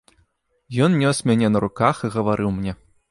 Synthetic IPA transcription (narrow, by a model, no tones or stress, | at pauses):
jɔnnʲɔsmʲanʲɛnɐɾukaxiɣɐvaɾʔɨwmnʲɛ